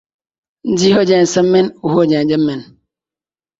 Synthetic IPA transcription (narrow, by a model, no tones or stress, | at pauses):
n̩diɦod͡ʒen̩sem̩menuɦod͡ʒed͡ʒem̩men